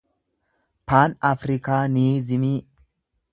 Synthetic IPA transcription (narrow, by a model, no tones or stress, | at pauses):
paːnafɾɪkaːniːzɪmiː